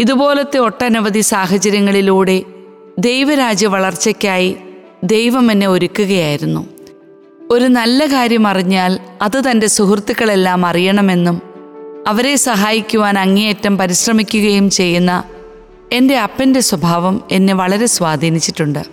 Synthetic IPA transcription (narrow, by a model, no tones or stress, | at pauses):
iðubo̞ːlɐt̪ːeo̞ʈːɐnuʋɐðisaːɦɐt͡ɕɐɾjɐŋːɐɭiluːɽe̞ | d̪e̞jʋɐɾaːd͡ʑjɐʋɐɭɐrt͡ɕːɐkʲːaːji | d̪e̞jʋɐmenːe̞o̞ɾukʲːuɣɐjaːjiɾunːṵ | o̞ɾunɐlːɐkaːɾjɐmɐriɲːaːlɐðɨt̪ɐnde̞suɦurt̪ːikːɐɭe̞lːaːmɐrijɐɳɐme̞nːumɐʋɐɾe̞sɐɦaːjikʲːuʋaːnɐŋːijjetːɐmpɐɾiɕrɐmikʲːuɣɐjumt͡ɕe̞jːunːɐ | e̞nde̞ɐpːɐnde̞swɐbʱaːʋɐme̞nːeʋɐɭɐɾe̞swaːd̪ʱiːnit͡ɕːiʈːuɳɖɨ